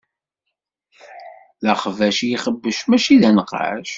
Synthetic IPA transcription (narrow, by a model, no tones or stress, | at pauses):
læχvæʃjiχəbːəʃmæʃiðænəqːa̰ʃ